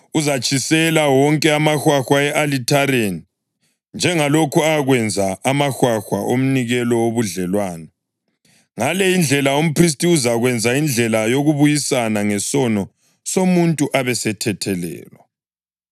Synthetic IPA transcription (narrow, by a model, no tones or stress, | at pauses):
uzat͡ʃʼʰisɛlawɔŋkʼɛamaxwaxwaɛʔalitʰaɾeni | nd͡ʒʱɛŋalokʰuaɣwɛnd͡zʱaamaxwaxwa̰ʔom̩niɣɛlɔoβuɮɛlwaːna | ŋalɛind͡ɮʱɛlaom̩pʰris̬tʼiuzaɣwɛnd͡zʱaind͡ɮʱɛlajoɣuβujisanaŋɛsɔnɔ | somuntʼuʔaβɛsɛtʰɛtʰɛlɛ̰ːlɔ